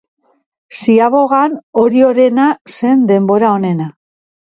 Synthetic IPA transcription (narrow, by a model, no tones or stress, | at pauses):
siaβo̞ɣano̞ɾio̞ɾe̞nase̞nd̪e̞mbo̞ɾao̞ne̞na